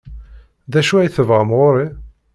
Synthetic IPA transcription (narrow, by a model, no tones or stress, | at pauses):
ðæʃuæjθəvʁəmʁʊɾˤi